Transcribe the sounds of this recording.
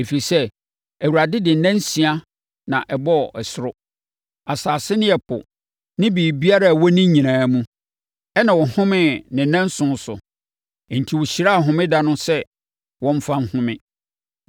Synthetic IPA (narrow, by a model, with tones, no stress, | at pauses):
e˨fi˨sɛ˦ | æ˨wu˨ɾa˨dɪ˦dɪ˨n̩˨nɛ̃˦n˦sĩ˨a˦ | nã̰˨ʔɛ˨bɔ˦˨ʔɛ˨sʊ˦ɾʊ˦ | a˨saː˨sɪ˦nɪ̃˦ɛ˨pʰʊ̰˨ | nɪ̃˦biː˨bi˦a˦ɾa˦˨wɔ˦nĩ˦ɲĩ˨nãː˨˦mũ˦ | ɛ˦nã˨wɔ˨hʊ̃˦mɪ̃˦˨nɪ̃˨nã˦n̩˦sʊ̃˦n˦sʊ̰˨ | n̩˨tʰi˨wɔ˨ɕi˨ɾa˦˨ɦʊ̃˨mɪ̃˦da˦nʊ̃˦sɛ˦ | wɔ̃˦ɱ˦fã˦nhʊ̃˦mɪ̃˦